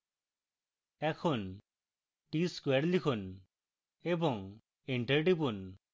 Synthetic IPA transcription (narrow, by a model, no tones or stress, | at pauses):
ɛkʰon | ʈiskwɛɾlikʰon | ebɔŋ | eɳʈəɾʈipun